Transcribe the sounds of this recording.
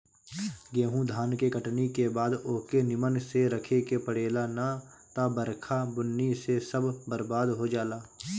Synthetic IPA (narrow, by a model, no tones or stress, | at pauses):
ɡeːɦũd̪ʱaːnkekəʈnikebaːd̪oːkenɪmənseɾəkʰekepəɽeːlana | t̪abəɾkʰabʊnːisesəbbəɾbaːd̪ɦod͡ʒaːlaː